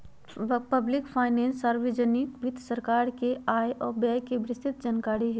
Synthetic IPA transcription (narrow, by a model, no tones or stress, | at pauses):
pɐblɪkpʰaːɪnɛ̃ːnsaɾʋed͡ʒənɪkʋɪd̪ʱsəɾkaːɾkeaːjʔɔːɾbɛːjkebɾɪst̪ʰɪt̪̚d͡ʒaːnkaːɾiɦɛː